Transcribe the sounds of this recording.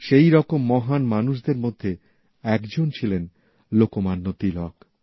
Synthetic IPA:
ʃejɾɔkomːɔɦanmanuʃ̬d̪eɾmod̪ʱːe | ɛkd͡ʑont͡ɕʰilen | lokomanːot̪ilɔk

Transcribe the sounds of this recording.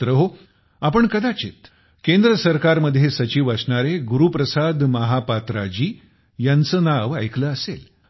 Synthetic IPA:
ɾəɦo | apəɳkəd̪at͡ɕḛt̪ | kend̪ɾəsəɾkaɾməd̪ʱjesət͡ɕiʋəsɳaɾeɡuɾupɾəsad̪məɦapat̪ɾad͡ʑiː | jant͡səːnaʋa̰jkləəsel

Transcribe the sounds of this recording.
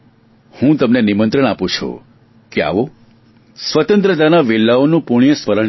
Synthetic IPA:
hũt̪əmnenimənt̪ɾəɳ̃apũt͡ʃʰṵ | kea̰ʋo | sʋət̪ə̃nt̪ɾəd̪anaʋilːaonũpuɳ̃ijəsfəɾəɳ

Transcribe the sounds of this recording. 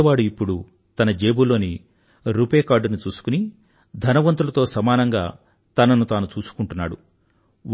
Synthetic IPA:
ɐʋaːɽuipːuɽu | t̪ɐnɐd͡ʒeːbulo̞ːni | ɾuːpeːkaːɖunut͡ʃuːsu̥kuni | d̪ʱɐnɐʋɐnt̪̬ulɐt̪o̞ːsɐmaːnɐŋɡa̰ː | t̪ɐnɐnut̪aːnut͡ʃuːsu̥kuɳʈunːa̰ːɽu

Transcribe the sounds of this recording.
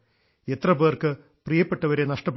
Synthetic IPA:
et̪rɐbeːrkɨ | prijɐpːe̞ʈːɐʋɐɾe̞nɐʂʈɐpː

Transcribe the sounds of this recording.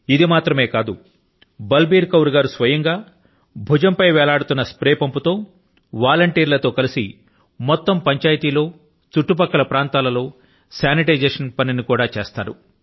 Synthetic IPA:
id̪imaːt̪ɾɐme̞ːkaːd̪u | bɐlbiːɾkɐwɾuɡaːɾusʋɐjɐŋɡaː | bʱud͡ʒɐmpɐjʋɛːlaːɽut̪unːɐspɾɛːpɐmput̪o̞ː | ʋaːlɐɳʈiːɾlɐt̪o̞ːkɐlisḭ | mɔt̪ːɐmpɐɲt͡ʃaːjt̪iːlo̞ː | t͡ʃuʈːup̬ɐkːɐlɐpɾaːnt̪aːlɐlo̞ː | sjaːniʈɐjd͡ʒeːʂɐnpɐninikuːɽaːt͡ʃe̞ːst̪aːɾṵ

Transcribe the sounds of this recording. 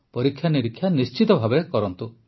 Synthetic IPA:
pɔɾikʰːjaniɾikʰjanist͡ʃit̪ɔbʱabekɔɾɔnt̪u

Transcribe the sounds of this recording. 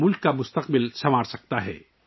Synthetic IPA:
mʊlkːamʊst̪əqbɪlsɐmaːɽsɐk̚t̪aɦɛ̰ː

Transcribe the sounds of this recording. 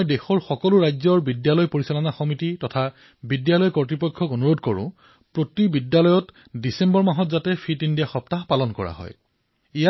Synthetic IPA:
jdexɔɹxɔkɔlʊɹajzɔɹbidjalɔjpoɹisalɔnaxɔmititɔtʰa | bidjalɔjkɔɹtɹipɔjkʰːɔkonuɹodkɔɹʊ̰̃ | pɹotibidjalɔjɔt | disembɔɹmaɦɔtzatɛpʰitindijaxɔptaɦpalɔnkɔ̰ɹa̰ɦɔ̰j | ija

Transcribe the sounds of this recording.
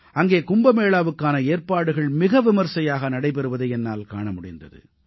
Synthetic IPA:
ʔɐŋɡeːkʊmbɐmeːɭaːʋɯkːaːnɐeːrpaːɽɯɣɐɭmɪɣɐʋɪmɐɾsɐjaːɣɐnɐɽɐɪpɛɾɯʋɐðɐɪɛnːa̰ːlka̰ːɳɐmʊɽɪ̰nd̪ɐ̰ðɯ̰

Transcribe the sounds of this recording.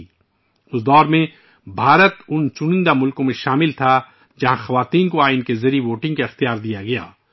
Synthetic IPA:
ʊsd̪ɔːɾmẽ | bʱaːɾət̪ʊnt͡ʃʊnɪ̃nd̪amʊlkõmẽʃaːmɪlt̪ʰa | d͡ʒɐɦãxɐʋaːt̪iːnkoaːɪnkezɐɾiʋoːʈɪ̃ŋɡkaɪxt̪ijaːɾd̪ijaɡɐja̰ː

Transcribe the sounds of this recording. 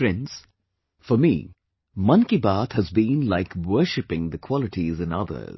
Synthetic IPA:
fɾɛ̃nz̥ | fɔmḭ | mʌ̃nkibat̪həzbĩnlaɪkwə˞ʃɨpɪ̃ŋd̪əkʰw̥ɔlɪʈizɨ̃nʌ̰d̪ə̰˞z̥

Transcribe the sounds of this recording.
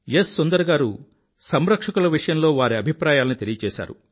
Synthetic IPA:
jesːond̪ɐɾɐɡaːɾu | sɐmɾɐkʂɐkulɐʋiʂɐjɐmlo̞ːʋaːɾiɐbʱipɾaːjaːlɐnit̪e̞lijɐt͡ʃɛːʃa̰ːɾṵ

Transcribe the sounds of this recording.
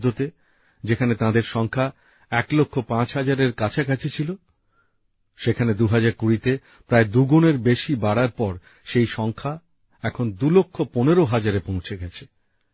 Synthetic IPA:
d̪ʱot̪e | d͡ʑekʰanet̪ãd̪eɾʃɔŋkʰa | ɛklokʰːopãt͡ɕɦad͡ʑaɾeɾkat͡ɕʰakat͡ɕʰet͡ɕʰilo | ʃekʰaned̪uɦad͡ʑaɾkuɾit̪e | pɾaed̪uɡuneɾbeʃibaɽaɾpɔɾ | ʃejʃɔŋkʰa | ɛkʰond̪ulokʰːoponeɾoɦad͡ʑaɾepõw̃t͡ɕʰeɡɛt͡ɕʰe̥

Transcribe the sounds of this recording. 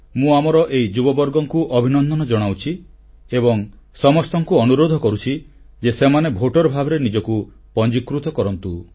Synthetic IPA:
mũamɔɾɔʔejd͡ʒubɔbɔɾɡɔŋkuʔɔbʱinɔnd̪ɔnɔd͡ʒɔɽ̃awt͡ʃʰi | ebɔŋ | sɔmɔst̪ɔŋkuɔnuɾod̪ʱɔkɔɾut͡ʃʰi | d͡ʒesemanebʱoʈɔɾɔbʱabɔɾenid͡ʒɔku | pɔnd͡ʒikːɾut̪ɔkɔɾɔnt̪u

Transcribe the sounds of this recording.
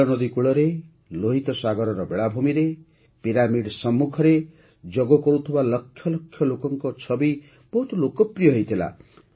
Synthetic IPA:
ɔnɔd̪ikuɭɔɾe | loɦit̪ɔsaɡɔɾɔɾɔbeɭabʱumiɾe | piɾamiɖsɔmːukʰɔɾe | d͡ʒɔɡɔkɔɾut̪ʰibalʌkʰːjɔlɔkʰjɔlokɔŋkɔt͡ʃʰɔbi | b̥ɔɦut̪lokɔpɾijɔɦojt̪ʰila̰

